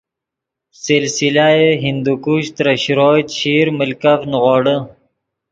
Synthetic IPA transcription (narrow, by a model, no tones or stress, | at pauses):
silsilajeɦind̪ukuɕt̪ɾəɕɾoːt̪ɕiɾməlkafnɣoːɽə